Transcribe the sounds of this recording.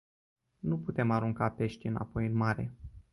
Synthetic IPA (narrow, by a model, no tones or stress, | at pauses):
nuput̪e̞maɾuŋkape̞ʃt̪ʲɨna̰po̞jɨnmaɾe̞̰